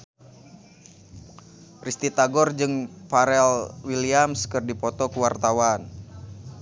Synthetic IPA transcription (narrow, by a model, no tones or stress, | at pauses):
rist̪it̪aɡɔrd͡ʒɨŋpaɾɛlwiliamskɨrdipɔt̪ɔkuwart̪awan